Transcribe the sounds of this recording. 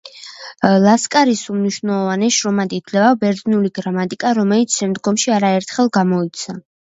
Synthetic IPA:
lˠaskʼaɾisumniʃwvnɛlˠɔvanɛʃɾɔmad̪it̪ʰlɛabɛɾd̪nuliɡɾamat̪ʼikʼaɾɔmɛlit̪sʰʃɛmd̪ɡɔmʃiaɾaɛɾt̪ʰχɛlˠɡamɔit̪sʰa

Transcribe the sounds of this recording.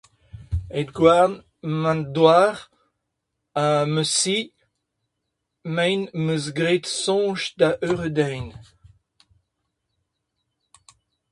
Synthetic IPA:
ed̪ɡwaʁn | mãnd̪waːʁ | aməsi | mɛ̃jnməzɡʁet̪sɔ̃ːʒd̪aʔøʁəd̪ɛjn

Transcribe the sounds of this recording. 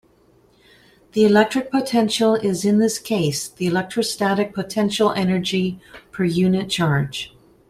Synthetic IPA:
ðiɨlɛk̚tɹ̥ɨk̚pʰətʰɛ̃nʃl̩ˠɪzɨ̃nðɪskʰeɪsðiɨlɛk̚tɹ̥əstæɾɨk̚pʰətʰɛ̃nʃl̩ˠɛnə˞d͡ʒipʰə˞jʉnɨt̚t͡ʃʰɑɹd̥ʒ̥

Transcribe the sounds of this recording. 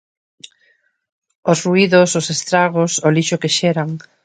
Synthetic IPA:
ʊsruiðʊsʊsest̪ɾaɣ̞osoliʃokeʃeɾaŋ

